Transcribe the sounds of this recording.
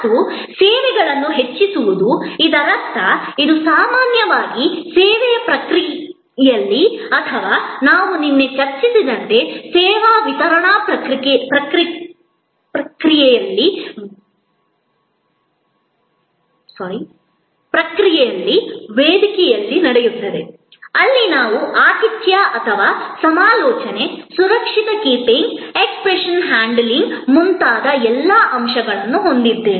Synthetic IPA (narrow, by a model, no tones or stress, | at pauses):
usɛːʋɛɡɐɭɐnːuɦet͡ʃːisuʋud̪uid̪ɐlɐst̪ɐid̪usaːmaːnjɐʋaːɡisɛːʋɛjɐpɾɐkɾi | jɐlːiɐt̪ʰɐʋaːnaːʋuninːet͡ʃɐɾt͡ʃisid̪ɐnt̪e̞sɛːʋaːʋit̪ɐɾɐɳaːpɾɐɾpɾɐkɾi | pɐkɾijɛjɐlːi | sɐːɾi | pɾɐkɾijɛjɐlːiʋeːd̪ikɛjɐlːinɐɽejut̪ːɐd̪e | ɐlːinaːʋuʔaːt̪it̪jaʔɐt̪ʰɐʋaːsɐmaːlɔːt͡ʃɐne̞suɾɐkʂit̪ɐkiːpiŋɡekspɾeʂɐnɦaːɳɖliŋɡmunt̪aːd̪ɐɛlːaːʔɐmʂɐɡɐɭɐnːuɦond̪id̪ːeːn